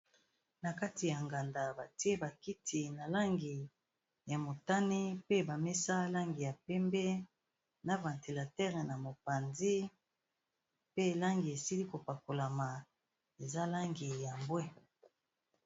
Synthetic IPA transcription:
na˨ka˦ti˨ja˨ŋɡa˨nda˨ba˨ti˦e˦ba˨ki˦ti˨na˨la˦ŋɡi˨ | ja˨mo˨ta˦ni˦pe˦ba˨mɛ˦sa˦la˦ŋɡi˨ja˨pɛ˦mbɛ˦ | na˦vã˨nti˨la˨tɛ˦ʁɛ˨na˨mo˨pa˨nzi˦ | pe˦˨la˦ŋɡi˨e˨si˦li˦ko˨pa˨ko˨la˨ma˨ | e˨za˦la˦ŋɡi˨ja˨mbwɛ˦

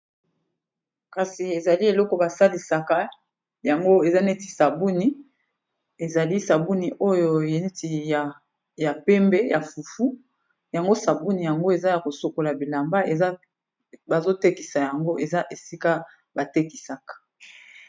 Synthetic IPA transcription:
ka˨si˨e˨za˨li˦e˨lɔ˦kɔ˨ba˨sa˦li˨sa˨ka˦ | ja˨ŋɡo˦e˨za˦ne˦ti˨sa˨bu˦ni˨ | e˨za˨li˦sa˨bu˦ni˨ʔo˦jo˨e˨n˦ti˨a˨ | ja˨pɛ˦mbɛ˦ja˨fu˨fu˦ | ja˨ŋɡo˦sa˨bu˦ni˨ja˨ŋɡo˦e˨za˦ja˨ko˨so˨ko˨la˨bi˨la˨mba˦e˨za˦ | ba˨zo˦te˦ki˨sa˨ja˨ŋɡo˦ʔe˨za˦ʔe˨si˦ka˦ | ba˨te˦ki˨sa˨kḁ˨

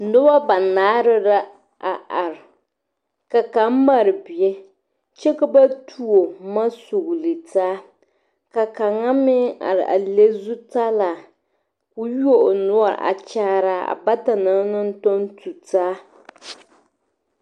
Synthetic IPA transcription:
nʊ˦ba˦ba˨naː˨˦ɾɨ˦ɾa˦ | ʔa˨a˨ɾɪ˨ | ka˨ka˨˦m̩˦ma˦ɾɨ˨bi˨ɛ˦ | t͡ʃɛ˦ka˦ba˦tʰu˦o˨ma˦su˨ɣlɨ˨taː˦ | ka˨ka˨ŋa˦mɪ˦a̰˨ɾɨ̰˨ʔa̰˨le˦zu˦ta˦la˨ | ku˦jo˦ʔnʊ˦a̰˦˨ʔa̰˨t͡ʃaː˦ɾa˦a̰˨ba˦ta˨na˦nɨ˦n̩˦to˦n˦tu˨taː˦

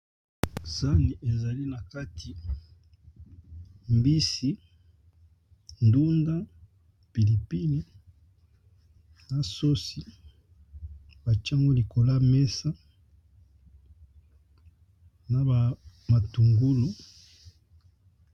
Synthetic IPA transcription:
sa˦ni˨ʔe˨za˨li˦na˨ka˦tʰi˨ | mbi˦si˦ | n˨du˦nda˦ | pi˨li˨pi˦ni˦ | na˨so˦si˨ | ba˨t͡ʃa˦ŋɡo˦li˨ko˨la˦me˦sa˦ | na˨ba˨ma˨tu˨ŋɡu˦lo˦

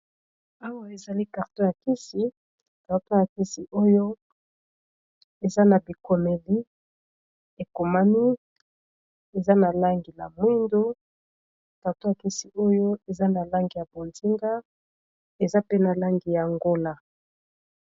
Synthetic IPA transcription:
a˦wa˦e˨za˨li˦ka˨ʁtɔ̃˦ja˨ki˦si˨ | ka˨ʁtɔ̃˦ja˨ki˦si˨ʔo˦jo˦ | e˨za˦na˨bi˨ko˨me˨li˦ | e˨ko˨ma˦ni˦ | e˨za˦na˨la˦ŋɡi˨la̰˨mwi˦ndo˦ | ka˨ʁtõ˦ja˨ki˦si˨ʔo˦jo˦e˨za˦na˨la˦ŋɡi˨ja˨bo˨nzi˦ŋɡa˦ | e˨za˦pe˦na˨la˦ŋɡi˨ja˨ŋɡo˦la˦

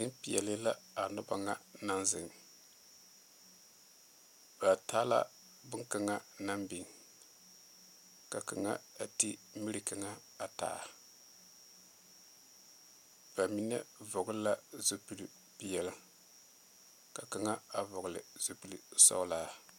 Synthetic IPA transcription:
nɪ˦mpi˨jɛ˨lɨ˦la˦a˨nʊ˦ba˨ŋa˦na˦nzɨ̰˨ŋ | b̥a˨taː˦la̰˦ | bʊ˦ŋka˨ŋa˦na˦mbi˨ŋ | ka˨ka̰˨ŋa̰˦a˨ti˦mi˦ɾi˨ka˨ŋa˦ | a˨ta̰ː˨ʔ | b̥a˨mi˦nɛ˦vʊ˨ɡʊ˦lla˦zo˨pu˨li˨ | pi˨jɛ˨lɨ˦ | ka˨ka˨ŋa˦a˨vʊ˨ɣʊ˨lɨ˨z̥o˨pu˨lɨ˨sɔ̰˦laː˦

